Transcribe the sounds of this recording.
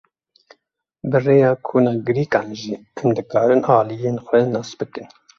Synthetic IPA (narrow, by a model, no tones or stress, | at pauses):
bɨreːjɑːkʰuːnɑːɡɨɾiːkɑːnʒiːɛmd̪ɨkɑːɾɨnɑːlijeːnxʷɛnɑːsbɨkɨn